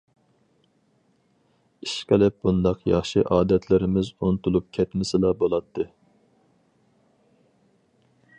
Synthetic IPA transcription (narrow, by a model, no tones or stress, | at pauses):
iʃqəlɪp̚bund̪ɑqjɑχʃiʔɑːd̪ɛt̪ʰlɪɾɪmɪzunt̪ʰulˠup̚kʲʰɛt̪mɪsɪlɑbolˠɑt̪ʰːɨ